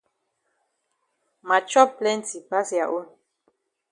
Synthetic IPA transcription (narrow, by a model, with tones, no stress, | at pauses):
ma˨t͡ʃɔ˦plɛ˦nti˨pa˦sja˨ʔo˦n